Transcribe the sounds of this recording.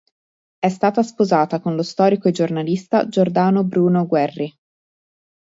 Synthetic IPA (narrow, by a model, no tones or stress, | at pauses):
ɛst̪aːt̪aspozaːt̪akonlost̪ɔːɾikoed͡ʒornalist̪a̰d͡ʒord̪aːnobɾuːnoɡwɛrːi